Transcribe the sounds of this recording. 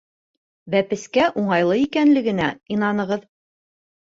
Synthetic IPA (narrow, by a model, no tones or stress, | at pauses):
bæpɘ̆skæʔuɴɑjlˠɤikænlɘ̆ɡɘ̆næinɑnɤ̆ʁɤð